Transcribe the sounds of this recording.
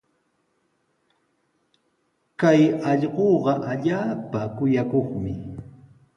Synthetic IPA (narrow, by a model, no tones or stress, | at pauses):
kajɑʎɢoːɢɑʔaʎaːpakʊjakoχmɪ